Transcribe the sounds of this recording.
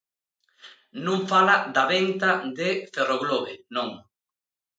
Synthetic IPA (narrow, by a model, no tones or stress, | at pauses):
nũŋfalad̪aβent̪ad̪eferoɣloβenõŋ